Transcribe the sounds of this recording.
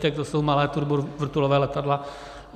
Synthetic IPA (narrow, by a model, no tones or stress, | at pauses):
t̪ɛk̚t̪ɔsumalajt̪uɾbuɾʋr̩t̪ulɔʋɛlɛt̪ad̪la